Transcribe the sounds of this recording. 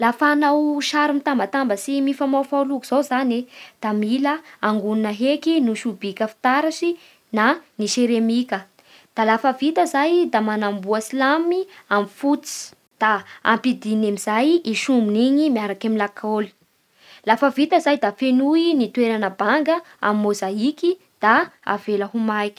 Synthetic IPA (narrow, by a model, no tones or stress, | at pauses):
lafanawʃaɾimit̪ambət̪ambəsimifamafalukuz̥owzaned̪̥amiləaŋɡununəɦekinuʃubikəfi̥t̪aɾaʃi | naniʃeɾemikə | d̪̥alafəvit̪əzajd̪amanambuəsilamiamifut͡si̥ | d̪̥aampid̪inemizajiʃumbiniɲimiaɾakamilakʰoli̥ | lafəvit̪əzajd̪afenuinit̪weɾanəbaŋɡə | a̰mimozaiki | d̪̥aa̰v̥eləɦumajki̥